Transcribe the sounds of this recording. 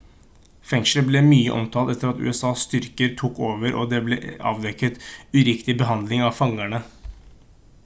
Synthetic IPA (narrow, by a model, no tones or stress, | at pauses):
fɛŋʂləblɛːmyːəʔɔ̰mt̪ʰɑlt̪ɛt̪ːəɾɑt̪ʉ̰ːɛsɑːsst̪ʏɾkəɾt̪ʰuːkoːʋəɾʔɔ̰ːd̪ɛːblɛːʔɑ̰ːʋd̪ɛkːət̪ʉɾɪkt̪ɪbəɦɑnd̪lɪŋɑʋfɑŋæɳə